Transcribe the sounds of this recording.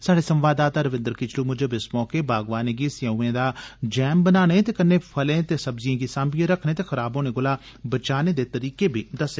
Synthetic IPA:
saːɽeːsə̃mʋaːd̪aːt̪aːɾəʋɪ̃nd̪əɾkɪt͡ʃʰluːmʊd͡ʒbɪsmɔːkeːbaːɡʋaːneːɡiːsjãːuːẽːd̪aːd͡ʒɛːmbənaːnẽːt̪eːkənːeːpʰəlẽːt̪eːsəbzɪjãːɡiːsãːmbiẽɾəkʰnẽːt̪eːxəɾaːbõːnẽːɡʊlaː | bət͡ʃaːneːd̪eːt̪əɾiːkeːbʱiːd̪əseː

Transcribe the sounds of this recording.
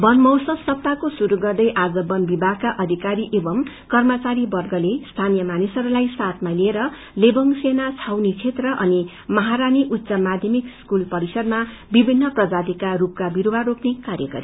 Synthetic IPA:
bʌnmʌwsʌsʌp̚t̪akosuɾuɡʌrd̪ʌjʔad͡zʌbʌnbibʱaɡ̚kaʔʌd̪ʱikaɾiʔebʌm | kʌrmʌt͡saɾibʌrɡʌlest̪ʰanijʌmanisʌɾulajsat̪ʰmalieɾʌ | lebʌŋsenat͡sʰawnit͡sʰet̪rʌʔʌni | mʌɦaɾaniʔut̪ːsʌmad̪ʱjʌmikskulpʌɾisʌd̪ma | bibʱinːʌprʌd͡zad̪ikarup̚kabiɾuwaɾoknekaɾjʌɡʌ̰ɾi

